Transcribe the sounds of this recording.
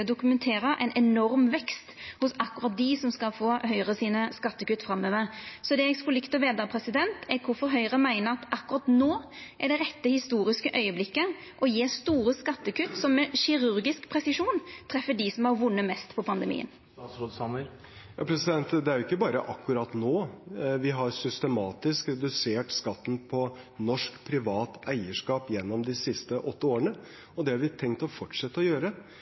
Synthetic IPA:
d̪ʊkʉmɛnt̪ʰeːɾəʔɛ̰ɪnʔɛnɔɾmʋɛkst̪hʊsɑkːʉɾɑt̪̚d̪ɪsɔmskɑlfoːhœʏʁəsiːnəskɑt̪ːəkʉt̪ːfɾɑmːøːʋəsɔd̪ɛɛɡskɔlɪkt̪ɔʋeːd̪ɑpʰɾɛsɪd̪ɛnt̪ʰɛɾkʰʊɾfɔɾɦœʏʁəmæɪnəɾɑt̪ʔɑkʉɾɑt̪noːʔæɖɛɾɛt̪ːəhɪst̪uːɾɪskəʔœʏəblɪkːə | ʔɔjeːst̪uːɾəskɑt̪ːəkʉt̪ːsɔmːɛɕɪɾʉɾɡɪskpʰɾɛsɪʂuːnt̪ʰɾɛfːəɖisɔmhɑɾʋʊnːəmɛst̪pʰɔpʰɑnd̪əmḭːə̰n | sɑmə | jɑːpʰɾɛsɪd̪ɛnt̪d̪ɛæɾjʊɪkːəbɑːɾəʔɑkːʉɾɑt̪noːʋɪɦɑɾsʏst̪ɛmɑːt̪ɪskɾɛd̪ʉseːʈskɑt̪ːn̩pʰɔ | nɔʂkpʰɾɪʋɑːt̪æɪəʂkɑːpjɛnːɔmd̪ɪsɪst̪əʔɔt̪ːəoːɾəɳə | ɔd̪ɛhɑɾʋɪt̪ʰɛŋkt̪ɔfɔʈʂɛt̪ːəɔjøːɾə

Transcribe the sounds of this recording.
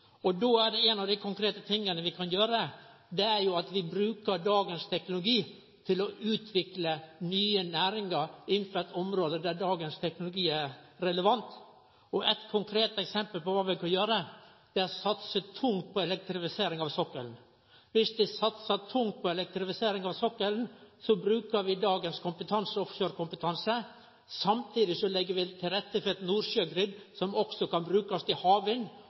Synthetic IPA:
ɔd̪oæɖɛɛːnɑʋd̪æɪkʰʊŋkʰɾeːt̪ət̪ʰɪŋːənəʋɪkʰɑnjøːɾəd̪ɛæɾjʊɑt̪ʋɪbɾʉːkəɾɖɑːɡənst̪ʰɛknʊlʊɡiː | t̪ʰɪlɔʔʉːt̪ʰʋɪklənyːənæːɾɪŋəɾɪnːfœt̪ɔmɾoːd̪əd̪æɖɑːɡənst̪ʰɛknʊlʊɡiːæɾɾɛləʋɑnt̪ | ɔʔɛt̪kʰʊŋkʰɾeːt̪ɛksɛmpəlpɔʋɑːʋɪkɑnjøːɾə | d̪̥ɛɔsɑt̪sət̪ʰʊŋt̪̚pʰɔɛlɛk̚t̪ɾɪfɪseːɾɪŋɑʋsɔkːəln | ʋɪsd̪ɪsɑt̪sət̪ʰʊŋt̪̚pʰɔɛlɛk̚t̪ɾɪfɪseːɾɪŋɑʋsɔkːəln̩sɔbɾʉːkəɾʋɪd̪ɑːɡənskʰʊmpət̪ʰɑnsəɔfɕøːɾkʊmpət̪ʰɑnsə | sɑmt̪ʰiːd̪ɪsɔlɛɡːəɾʋɪt̪ʰɪlɾɛt̪ːəfɔɾɛt̪nuːɾʂøɡɾɪd̪sɔmɔksɔkɑnbɾʉːkɑst̪ɪhɑːʋɪn

